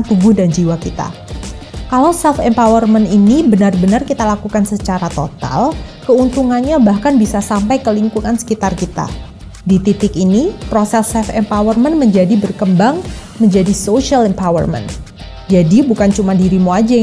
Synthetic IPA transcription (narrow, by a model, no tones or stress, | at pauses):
t̪uɡʊhdand͡ʒiwakit̪a̰ | kalawsɛlfɛmpawərməninibənarbənarkit̪alakukansət͡ʃaɾat̪ot̪a̰lkəunt̪uŋanɲabahkanbisasampajkəliŋkuŋansə̥kit̪arkit̪a̰ | dit̪it̪ɪkinipɾosɛsɛfɛmpawərmənməɲd͡ʒadibərkəmbaŋməɲd͡ʒadisoʃialɛmpawə̰rmə̰n | d͡ʒadibukant͡ʃumadiɾimoad͡ʒa